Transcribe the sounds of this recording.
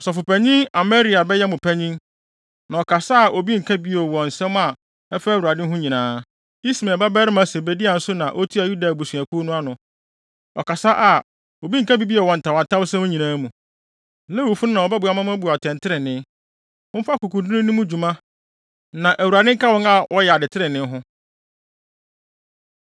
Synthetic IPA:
ɔ˨sɔ˨fʊ˨pʰæ˨ɲĩ˦ŋa˨mɛ˦ɾi˨˦a˨bɛ˦jɛ˦mʊ̃˨pʰæ˦ɲĩ˦ŋ | nã˨ɔ˨kʰa˨sa˦a˨ʔo˨bi˦ŋ̩˨kʰa˦bi˦o˨wɔ̃˨n̩˨sɛ̃˦m˦a˨ | ɛ˦fa˦˨wu˨ɾa˨dɪ̃˦ɦʊ̃˦ɲĩ˨nãː˨˦ | i˦smɛ̃˨ba˦bɛ˦ɾɪ˦mã˨se˨be˨di˦a˨n̩˦sʊ˦nã˨ʔo˦tʰi˦a˨ju˦da˨bu˨sɥæ˨kʰu˦nʊ̃˦a˦nʊ̃˨ | ɔ̰˨ka˨sa˦ʔa˨ | o˨bi˦ŋ̩˨ka˦bi˦bi˦ɛ˨wɔ̃˨n̩˨tʰa˨a˨tʰa˦bsɛ̃˦mʊ̃˦ɲĩ˨nãː˦mũ˨ | lɛ˦wu˨fu˦nʊ̃˦nã˨ɔ˨bɛ˦bʊ˨˦a˦mã˦mã˦bu˨a˨tʰɛ̃˨ntʰɪ˦ɾɪ˨nɪ̃˦ | ʊ̃˦fa˦ku˨kũ˨dʊ̃˦nʊ̃˦nʊ̃˦mũ˦d͡ʑᶣu˨mã˦ | nã˨ʔæ˨wu˨ɾa˨dɪ̃˦ŋ̩˦ka˦wɔ̃˦ŋa˨wɔ˦jɛ˨a˨dɪ˨tʰɪ˦ɾɪ˨nɪ̃˦ɦʊ̃˦

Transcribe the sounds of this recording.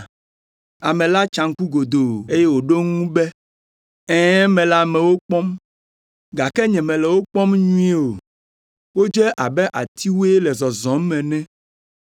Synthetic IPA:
a˨mɛ̃˨la˦t͡ʃã˨ŋ̩˦ku˦ɡo˨d̪o˨e˦jɛ˦wo˨ɖo˦ŋũ˦bɛ˦ | ɛ̃˦mɛ̃˨la˦mɛ̃˨wo˦k͡pɔ˦m | ɡa˨kɛ˦ɲɛ̃˨mɛ̃˨lɛ˨wo˦k͡pɔ˦mɲũ˦ɛ˦o˨ | wo˦d͡ʒɛ˦ʔa˨bɛ˦ʔa˨t̪i˦wo˦e˦lɛ˨zɔ˨zɔ̃˨˦mmɛ̃˨nɛ̃˦

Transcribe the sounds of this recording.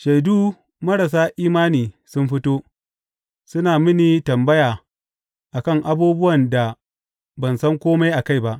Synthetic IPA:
ʃa˨jduː˦ | mɐ˦ɾɐ˨s̬aː˦ʔiː˦maː˦niː˨ | sʊ˦mɸɪ˦toː˦ | sʊ˦naː˨mɪ˦niː˨tɐ˨mbɐ˦jaː˨ | ʔa˨kɐ˦˨ŋʔa˦buː˦bʊ˦wɐ˨nda˨ | bɐ˨nsɐ˦ŋkʷoː˦ma˦jʔa˨ka˦˨jba˦ʔ

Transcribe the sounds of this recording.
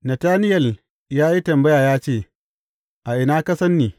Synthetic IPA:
nɐ˨taː˦nɪ˦jɐ˨l | jaː˦ji˦tɐ˨mbɐ˦jaː˨jaː˦t͡ʃeː˦˨ | ʔa˨ʔɪ˨naː˦kɐ˦sɐ˦nːiː˨

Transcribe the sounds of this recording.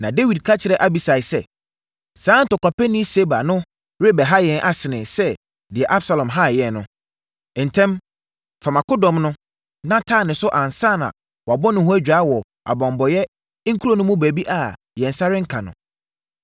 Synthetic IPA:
nã˨de˦wi˨d̚kʰa˦t͡ɕʰɪ˨ɾɛ˦ʔa˦bi˨sa˨ɪ˨sɛ˨ | sãː˨˦n̩˦tʊ˨kʷa˨pɛ˦nĩ˦se˦ba˨nʊ̃˦ | ɾe˦bɛ˨ɦa˦jɛ̃˨nʔa˦sɪ˨nɪ̃˨sɛ˦ | dɪ˨ɛ˨ʔa˦bsa˨lɔ̃˨mɦa˦˨jɛ˨nnʊ̃˦˨ | n̩˨tʰɛ̃˦m | fa˨mã˨kʊ˦dɔ̃˨mnʊ̃˦ | nã˦tʰaː˦˨nɪ̃˨sʊ˦ʔã˨n˨sa˦˨nã̰˨ | wa˨bɔ˦nʊ̃˨hʊ˦æ˦d͡ʑᶣa˨˦wɔ˨ | a̰˨bɔ̃˨mbɔ˨jɛ˦ | ŋ̩˦kʰu˦ɾo˦nʊ̃˦mʊ̃˦bæ˨bi˦ʔa˨ | jɛ̃˨n˨sa˦ɾɪ̃˦ŋ̩˦kʰã˨nʊ̰̃˨

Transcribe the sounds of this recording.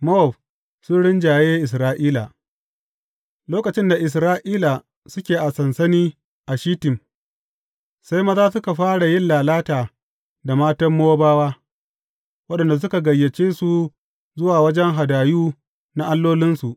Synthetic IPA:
mo˦ɔ˨b | sʊ˦ɽɪ˦nd͡ʒaː˨jeː˦ʔɪ˨s̬ɾaː˦ʔiː˦la˨ | loː˦kɐ˨t͡ʃɪ˦nda˨ʔɪ˨s̬ɾaː˦ʔiː˦la˨ | sʊ˦kʲeː˨ʔa˨sɐ˨nsɐ˦niː˦ | ʔa˨ʃiː˦tɪ˨m | sa˦jmɐ˦taː˦sʊ˦ka˨ɸaː˦ɽa˨jɪ˦nlaː˨laː˦taː˨ | da˨maː˦tɐ˦mːoː˦baː˦waː˦ | wɐ˦ɗɐ˨nda˨s̬ʊ˦ka˨ɡɐ˨jːɐ˨t͡ʃeː˦su˨ | zʊ˦waː˨wɐ˦d͡ʒɛ˦ŋɦa˨daː˨juː˦ | na˦ʔa˦lːoː˦lɪ˦nsu˨ʔ

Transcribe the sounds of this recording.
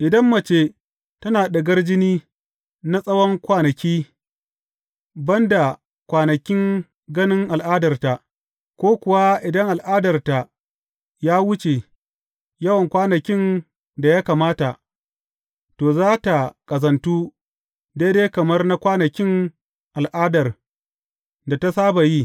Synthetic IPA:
ʔɪ˨dɐ˦mːɐ˨t͡ʃeː˦ | tɐ˦naː˨ɗɐ˨ɡɐ˦rd͡ʒɪ˦niː˦ | na˦sʼɐ˦wɔ˦ŋkʷaː˦nɐ˨kʲiː˦ | bɐ˦nda˨ | kʷaː˨nɐ˨kʲɪ˦ŋ | ɡɐ˦nɪ˦ŋʔa˨lʔaː˦dɐ˨rta˨ʔ | kʷoː˦kʷʊ˨wa˦ʔɪ˨dɐ˦ŋʔa˨lʔaː˦dɐ˨rta˨ | jaː˦wʊ˦t͡ʃe˨ | jɐ˦wɐ˨ŋkʷaː˦nɐ˨kʲɪ˦n | da˨jaː˦kaː˨maː˦ta˨ | toː˨zaː˦ta˨kʼɐ˨zɐ˨ntuː˦ | de˦deː˦kɐ˨mɐ˦rna˦kʷaː˦nɐ˨kʲɪ˦ŋ | ʔa˨lʔaː˦dɐ˨r | da˨ta˦saː˦ba˨ji˦

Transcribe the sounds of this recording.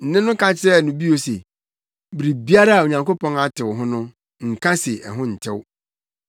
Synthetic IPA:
n̩˨nɪ̃˦nʊ̃˦kʰã˦t͡ɕʰɪ˦ɾɛ˦˨nʊ̃˨bi˦o˨se˨ | bɾi˨bi˦a˦ɾa˦a˨o˨ɲã˨ŋko˦pʰɔ̃˦na˨tʰɪ˨wɦʊ̃˦nʊ̃˦ | ŋ̩˨kʰã˦sɪ˨ɛ̰˨ɦʊ̃˦n̩˨tʰɪ˦w

